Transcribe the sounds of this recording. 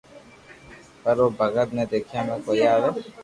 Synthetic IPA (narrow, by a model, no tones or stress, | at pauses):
pəɾoːbʱəɡət̪ned̪eːkʰijamẽkoːjaːʋeː